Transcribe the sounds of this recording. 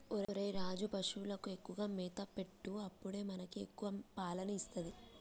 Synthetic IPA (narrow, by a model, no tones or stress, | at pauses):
oɾɾɐjɾaːd͡ʒubɐʂulɐkue̞kːuʋaːmiːt̪ɐpe̞ʈːuɐpːuɽe̞ːmɐnɐkiekːuʋɐpaːlɐnɐist̪ɐd̪i